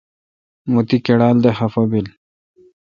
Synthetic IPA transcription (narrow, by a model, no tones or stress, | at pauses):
mut̪ikeɽaːld̪ehɐfobil